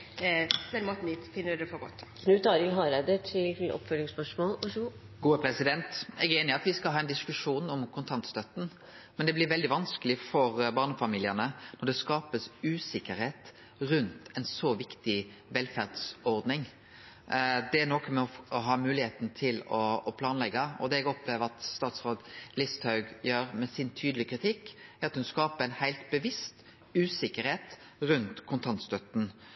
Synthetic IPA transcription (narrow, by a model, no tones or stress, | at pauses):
mɛnmɔt̪n̩ɪt̪fɪnːəɖ̪ɛfɔɡɔ̰t̪ːkʰnʉːt̪ɑːɾɪlɦɑɾɛd̪əʈʰɪlɔ̰pfœlɪŋspœʂmoːlu | ɡuːəpʰɾɛsɪd̪ɛnt̪ɛɡeːnɪɑt̪ʋɪskɑlɦɑːɛnd̪ɪskʉʂuːnɔmkʰʊnt̪ʰɑnt̪st̪œt̪ːn̩ | mɛnd̪ɛblɪɾʋɛld̪ɪʋɑnskəlɪfɔɾbɑːʁnəfɑmiːlɪənənɔd̪ɛskɑːpəsʉːsɪkːəɾheːt̪ | ɾʉnt̪ɛnsoːʋɪkt̪ɪ | ʋɛlfæʁd̪sɔɾd̪nɪŋ | d̪ɛænɔkɔmɛɔɔɦɑːmʉːlɪeːt̪n̩t̪ʰɪlɔːpʰlɑːnlɛɡːɑɔ̰d̪ɛːɛɡɔpleːʋəɾɑt̪st̪ɑːt̪sɾoːd̪lɪst̪hɑʉɡjøːɾmɛsɪnt̪ʰyːd̪əlɪkɾɪt̪ʰɪkːæɾɑt̪hʉnskɑːpəɾæɪnhæɪlt̪̚bəʋɪst̪ | ʉːsɪkːəɾheːt̪ | ɾʉnt̪kʰʊnt̪ʰɑnt̪st̪œt̪n̩